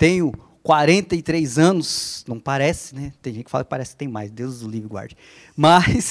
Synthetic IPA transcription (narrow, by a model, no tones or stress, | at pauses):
t̪ẽj̃ʊ | kwaɾẽnt̪ɐɪt̪ɾejzɐ̃nʊsnɐ̃w̃paɾɛsɪ̥nɛt̪ẽj̃ʒẽt͡ʃɪkfalɐ̰kɪpaɾɛsɪ̥kɪ̥t̪ẽj̃majzd̪ewzd̪ʊlivɾɪɡwa̰ɾd͡ʒiɐ | mɐs